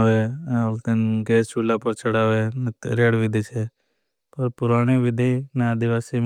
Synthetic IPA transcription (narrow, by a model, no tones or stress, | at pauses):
ʋeolt̪enɡeːst͡ʃulapəɾt͡ʃʰəɽaːʋenɾeːɽʋɪd̪ʱit͡ʃʰe | pɐɾpʊɾaːɽ̃iʋɪd̪ʱinaəd̪iʋaːsim